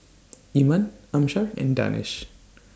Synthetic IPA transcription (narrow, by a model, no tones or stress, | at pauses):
imənamʃaɹɛ̰̃nda̰nɪ̰ʃ